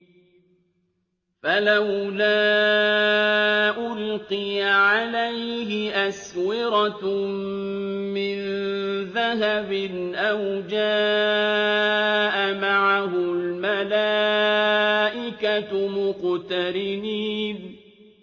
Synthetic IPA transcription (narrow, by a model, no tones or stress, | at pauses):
falawlaː | ʔʊlqijʕalajɦɪʔaswɪɾɑ | mɪnðaɦabɪnʔawd͡ʒaː | ʔamaʕahʊlmalaː | ʔɪkamʊqt̪aɾɪniːn